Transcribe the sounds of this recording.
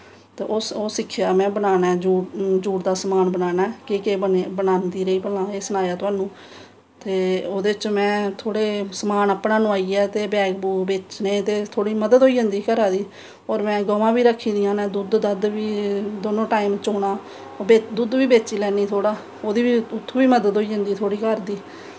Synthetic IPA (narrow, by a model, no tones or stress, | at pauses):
t̪eːʔoːoːsɪkʰːjaːmɛ̃ːbənaːnaːd͡ʒuːd͡ʒuːʈd̪aːsəmaːnbənaːnaːkɪkeːbəbənaːnd̪iːɾəiːpəlãːeːsənaːjaːt̪ʊaːnũː | t̪eːoːd̪eːɪt͡ʃmɛ̃ːt̪ʰoːɽeːsəmaːnəpnaːnʊ̃aːiːɛːt̪eːbɛːkbuːbeːt͡ʃnẽːt̪eːt̪ʰoːɽiːməd̪əd̪ɦoːiːd͡ʒənd̪iːkəɾaːd̪iː | ɔːɾmɛ̃ːɡɔːʋãːbiːɾəkʰːiːd̪ɪjãːnɛ̃ːd̪uːd̪d̪əd̪ʋiːd̪oːnõːʈaːiːmt͡ʃoːnaː | eːd̪uːd̪ʋiːbeːt͡ʃiːlɛːniːt̪ʰoːɽaː | oːd̪iːʋiːʊt̪ʰːõːbiːməd̪əd̪ɦoːiːd͡ʒənd̪iːt̪ʰoːɽiːkəɾd̪iː